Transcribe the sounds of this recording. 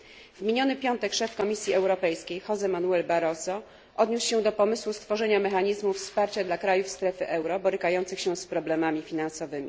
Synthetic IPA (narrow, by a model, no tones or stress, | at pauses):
vmʲiɲɔnɘpʲjɔnt̪ɛkʂɛfkɔmʲisʲjiɛwɾɔpɛjskʲejxɔzɛmanuɛlbaɾɔsɔ | ʔɔd̪ɲusɕɛd̪ɔpɔmɘswust̪fɔʐɛɲamɛxaɲizmufspaɾt͡ɕad̪lakɾajufst̪ɾɛfɘʔɛwɾɔbɔɾɘkajɔnt̪sɘxɕɛ̃spɾɔblɛmamʲifʲinansɔvɘmʲḭ